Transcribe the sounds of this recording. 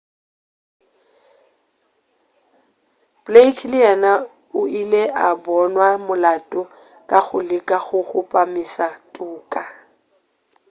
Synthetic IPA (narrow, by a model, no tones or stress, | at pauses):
b̥lekʰlɪɛna | ʊileʔabɔnwamʊlatʼɔ | kʼaɣʊlɪkʼaɣʊχʊpʼamisatʼuːkʼa